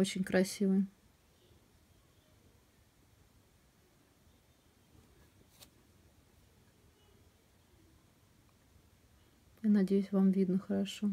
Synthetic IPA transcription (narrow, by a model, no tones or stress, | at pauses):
ot͡ɕɪnʲkɾɐsʲivɨj | janɐdʲejʉsʲvamvʲid̪nəxəɾɐʂo